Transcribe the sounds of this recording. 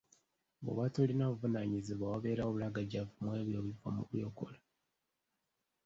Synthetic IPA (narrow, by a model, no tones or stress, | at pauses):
βo̰βatolinaβuvunaɲiziβawaβe̞ːɾaoβulaɡaɟavumwe̞ːβjoːβivamṵβjoko̰la